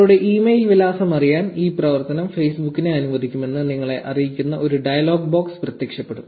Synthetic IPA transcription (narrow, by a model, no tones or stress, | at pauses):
ɭuɽe̞ʔiːmejlʋilaːsɐmɐrijaːniːprɐʋɐrt̪ɐnɐmfejsbukːine̞ɐnuʋɐd̪ʱikʲːume̞nːɨniŋːɐɭe̞ʔʔɐrijikʲːunːɐʔoɾuɖɐjɐlo̞ːɡ̚bo̞ːksprɐt̪jeːkʂɐpːe̞ɽum